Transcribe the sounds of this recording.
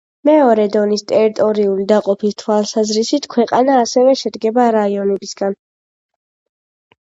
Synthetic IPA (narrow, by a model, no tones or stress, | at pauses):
mɛɔɾɛd̪ɔnist̪ʼɛɾit̪ʼɔɾiulid̪aqʼɔpʰist̪ʰwalˠsazɾisit̪ʰkʰwɛqʼanaːsɛvɛʃɛd̪ɡɛbaɾaiɔnɛbisɡan